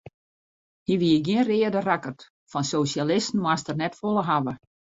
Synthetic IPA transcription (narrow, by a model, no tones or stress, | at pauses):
hiʋiɪɡjiənrɪədərakərt | fɔnsosalɪstn̩mwastərnɛtfolˠəɦaʋə